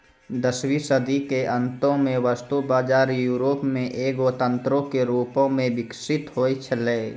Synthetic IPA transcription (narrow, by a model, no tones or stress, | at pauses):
d̪əswisəd̪ikeʔə̃nt̪õmẽʋast̪ubaːd͡ʒaːɾjuːɾoːpmẽʔeːɡot̪ə̃nt̪ɾõkeɾuːpõmẽbɪksɪt̪ɦoːit͡ʃʰəleː